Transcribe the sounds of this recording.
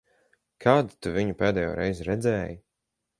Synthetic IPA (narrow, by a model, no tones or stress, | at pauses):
kʰaːd̪u̥t̪uviɲupeːd̪ɛːjo̰ːɾɛjzɾɛd̪zɛːji